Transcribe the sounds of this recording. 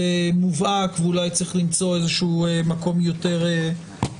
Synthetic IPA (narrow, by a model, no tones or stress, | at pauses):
emuvakveulajt͡sʁiχlimt͡so̞ezeʃuːemako̞mjo̞te̞ʁe